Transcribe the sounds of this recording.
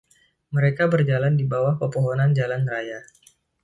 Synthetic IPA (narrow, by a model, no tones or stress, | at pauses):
məɾekabərd͡ʒalandibawahpəpoɦɔnand͡ʒalanraja